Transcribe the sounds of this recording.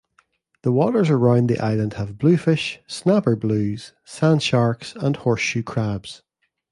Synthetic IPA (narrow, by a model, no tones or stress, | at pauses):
ðəwɔʔə˞zəɹãʊ̃nðḭʔa̰ɪlˠə̃nd̥həvblˠʉːfɪʃsnapə˞blˠʉːz̥ | sãnʃaɹksə̃nhɔɹsʃʉːkʰɹ̥abz̥